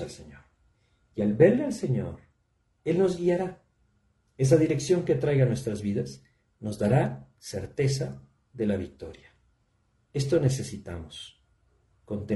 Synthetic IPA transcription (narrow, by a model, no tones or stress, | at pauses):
alseɲoɾ | ialβe̞ɾle̞alse̞ɲo̞̰ɾ | e̞lno̞zɣiaɾa | e̞s̬aðiɾe̞ksjo̞ŋke̞t̪ɾajɣanwe̞st̪ɾazβiðas | no̞zðaɾa | se̞ɾt̪e̞sa | ðe̞laβik̚t̪o̞̰ɾjḁ | e̞st̪o̞ne̞se̞sit̪a̰mos | ko̞nt̪e